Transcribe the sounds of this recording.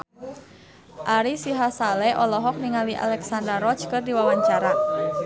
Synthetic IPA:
ʔaɾisiɦasalɛʔɔlɔɦɔk̚niŋaliʔa̰lɛksandɾaɾɔt͡ʃkɨrdiwawaɲt͡ʃaɾa

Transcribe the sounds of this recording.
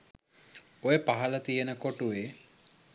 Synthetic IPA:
ojepaɦɐlət̪ijənəkoʈuʋe

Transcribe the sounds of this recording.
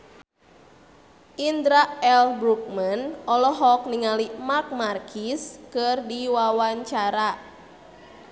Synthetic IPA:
ʔind̪ɾaʔɛlbɾuk̚manʔɔlɔɦɔk̚niŋalimak̚markʰiskɨrdiwawaɲt͡ʃaɾa

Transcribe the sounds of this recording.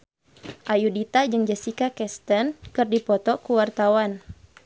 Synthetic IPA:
ʔajudit̪ad͡ʒɨŋd͡ʒɛsikakɛst̪ənkɨrdipɔt̪ɔkuwart̪awan

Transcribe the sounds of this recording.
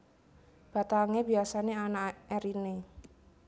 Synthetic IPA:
b̥a̤t̪aŋebi̤asaneanaɛɾine

